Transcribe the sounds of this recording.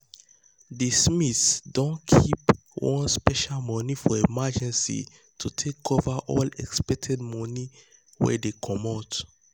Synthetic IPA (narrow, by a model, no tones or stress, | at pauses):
dismitsdõnkʰip | wɔ̰̃nspɛʃalmɔ̃nifɔemad͡ʒɛ̃nsḭ | tʰutʰekʰovaʔɔlɛ̰kspɛk̚tʰɛd̚mɔ̃ni | wɛ̰dekʰɔmɔt